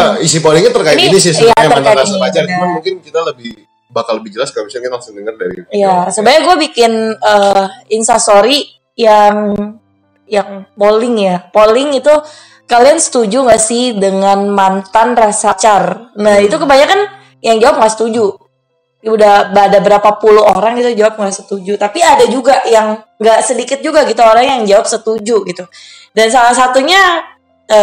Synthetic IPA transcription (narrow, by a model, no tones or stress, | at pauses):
isipolɪŋɲat̪ərkaiɪniinis̬ɪsjat̪əanajtɾasapat͡ʃard͡ʒmanmuŋkɪnkit̪aləbɪh | bakalːəbɪhd͡ʒəlaskabisankalaŋsʊŋdəŋərda̰ɾḭijasəbajaɡuabikɪnəinsasoɾi | jaŋ | jaŋpolɪŋjapolɪŋit̪u | kaliansə̥t̪ud͡ʒuŋɡasɪhdəŋanmant̪anrasat͡ʃarnait̪ukəbaɲakan | jaŋd͡ʒawap̚ŋɡaʔsə̥t̪ud͡ʒu | udahbaːdabəɾapapuluoɾaŋɡit̪ud͡ʒawap̚ŋɡaʔsət̪ud͡ʒut̪apiadad͡ʒuɡaʔjaŋ | ɡaʔsədikɪt̪̚d͡ʒuɡaɡit̪uoɾaŋjaŋd͡ʒawap̚sət̪ud͡ʒuɡit̪u | dansalahsat̪uɲa | ə